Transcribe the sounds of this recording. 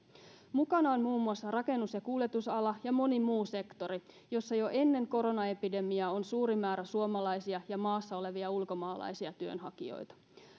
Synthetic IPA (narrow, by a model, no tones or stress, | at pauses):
mukɑnɑonmuːmːuɑsːɑrɑke̞nːusjɑkuːljet̪usɑlɑjɑmo̞nimuːse̞kt̪o̞ɾi | jo̞sːɑjo̞ʔe̞nːe̞ŋko̞ɾo̞nɑe̞pide̞miɑo̞nsuːɾimæːɾæsuomɑlɑjsiɑjɑmɑːsːɑo̞le̞ʋiɑulko̞mɑːlɑ̰jsiɑt̪yø̞̰nɦɑkḭo̰jt̪ɑ̥